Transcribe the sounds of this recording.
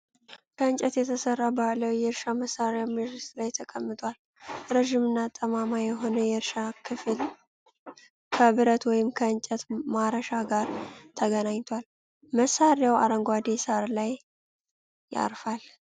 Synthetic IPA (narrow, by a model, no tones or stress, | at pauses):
kʰəɨnt͡ʃʼɛt̪jɛt̪ʰəsərːabaləwjɛɾʃaməsːaɾjawməʒɪst̪ʼlajt̪ʰəkʼəmːɨt̪ʼal | ɾəʒɪmɨnːat̪ʼːəmamajɛɦo̞nəjɛɾʃakʰɨfl | kʰəβɨɾət̪wɔjɪmkʰəɨnt͡ʃʼət̪maɾəʃaɡaɾt̪ʰəɡənaɲt̪ʰwal | məsːaɾjawa̰ɾəŋɡʷad̪esaɾlaj | a̰ɾfal